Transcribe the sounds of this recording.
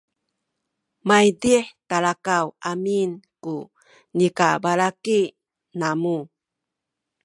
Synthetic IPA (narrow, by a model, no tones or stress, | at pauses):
majdiħtalakawaminku | nikabalaki | namu